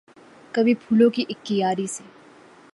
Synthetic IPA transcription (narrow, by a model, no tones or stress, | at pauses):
kɐbʱipʰuːlõkiʔɪkt̪ijaːɾise